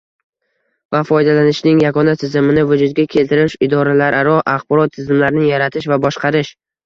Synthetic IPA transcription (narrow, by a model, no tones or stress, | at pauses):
vafɒjd̪alanɪʃnɪŋjaɡɒnat̪ʰɪzɪmɪnɪvʊd͡ʒʊd̪̚ɡʲakʲʰe̞lt̪ɪɾɪʃɪd̪ɒɾalaɾʔaɾɒʔaχbɒɾɒt̪ʰːɪzɪmlaɾnɪjaɾat̪ʰɪʃvabɒʃqɑɾɪʃ